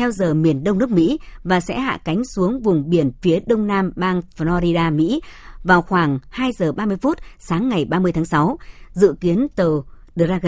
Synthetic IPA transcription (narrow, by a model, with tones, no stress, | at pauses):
t̪ʰɛ˧wzəː˨˩mi˨˩ənɗə˧wŋ͡mnɨ˦˥k̚mḭ˧˥vaː˨˩sɛ̰˧˥ha̰ː˧˨ka˨˦jŋ̟su˨˦əŋvʊ˨˩ŋ͡mɓi˨˧˩ənfi˨˦əɗə˧wŋ͡mnaː˧mɓaː˧ŋfɔ˧ɾi˧ɗaː˧mḭ˧˥vaː˨˩wxwaː˧˩ŋhaː˧jzəː˨˩ɓaː˧mɨ˧əjfu˦˥t̚saː˨˦ŋːa˨˩jɓaː˧mɨ˧əjt̪ʰːŋsa˨˦wzɨ̰˧˨ki˨˦ənt̪əː˨˩ | ɗa˧